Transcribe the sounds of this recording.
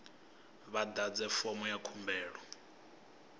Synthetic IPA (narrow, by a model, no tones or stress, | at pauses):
βadad͡zɛfɔmɔjakʰumbɛːɺɔ